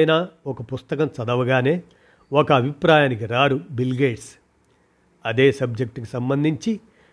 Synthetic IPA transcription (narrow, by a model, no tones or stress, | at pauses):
jnaːɔkɐpust̪ɐkɐmt͡ʃɐd̪ɐʋɐɡaːne̞ː | ɔkɐːbʱipɾaːjaːnik̬iɾaːɾubilɡeːʈs | ɐd̪e̞ːsɐb̚d͡ʒek̚ʈkisɐmbɐnd̪ʱiɲt͡ʃi